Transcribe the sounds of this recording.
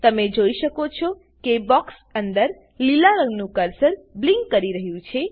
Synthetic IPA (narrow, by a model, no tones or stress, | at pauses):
t̪əmed͡ʒoiʃəkot͡ʃʰɔ | kebɔks | ənd̪əɾ | lilaɾəŋɡnũkəɾsəɾbliŋɡːəɾiɾəɦjũt͡ʃʰe